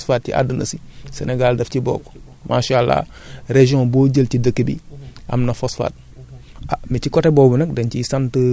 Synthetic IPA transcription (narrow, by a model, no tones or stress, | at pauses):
sfat̚t͡ʃḭʔa̰dənɐ̰sisḛneɡaldɐftibo̰ːk | mʔaʃalːa̰ | ɾeʒiõboːɟəltidəkːibḭa̰mnɐfosfa̰t̚ | amit͡ʃikotebobinɐkdɐnt͡ʃisantə